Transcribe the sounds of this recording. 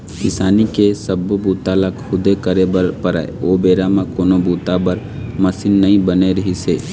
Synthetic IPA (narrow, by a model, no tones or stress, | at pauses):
kɪsaːnikesɐbbuːt̪alakʰːʊd̪ekɐɾebɐɾpɐɾa̰ːḛoːbeːɾamãkoːnobuːt̪abɐɾ | mɐsɪnːɐĩbɐneɾɐɦiseː